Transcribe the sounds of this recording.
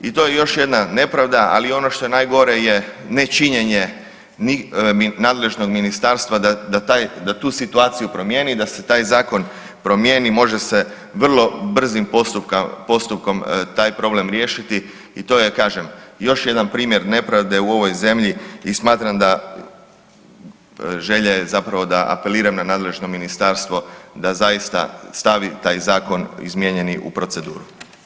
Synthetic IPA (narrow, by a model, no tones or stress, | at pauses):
it̪ojejo̞ʃje̞d̪nane̞pɾaʋd̪aa̰lio̞no̞ʃt̪o̞je̞naːjɡo̞ɾe̞je̞ne̞t͡ʃiɲe̞ɲe̞ | niminaːd̪le̞ʒno̞ɡminist̪aɾst̪ʋad̪ad̪at̪aːjd̪at̪uːsit̪uaːt̪sijupɾo̞mje̞ːnid̪ase̞t̪aːjzaːko̞n | pɾo̞mjeːnimo̞ʒe̞se̞ | ʋr̩lˠo̞br̩zimpost̪upkapo̞st̪up̚ko̞mt̪aːjpɾo̞blemɾje̞ːʃit̪i | it̪o̞ːjekaːʒe̞mjo̞ʃjed̪anpɾiːmje̞ɾne̞pɾaʋd̪e̞uo̞ʋo̞jze̞mʎiismaːt̪ɾamd̪a | ʒe̞ʎezapɾaʋo̞d̪aʔa̰pe̞liːɾamnanaːd̪le̞ʒno̞minist̪aɾst̪ʋo̞d̪azajist̪a̰st̪aʋit̪aːjzaːko̞nḭzmje̞ɲe̞niʔṵpɾo̞t̪se̞d̪ṵːɾu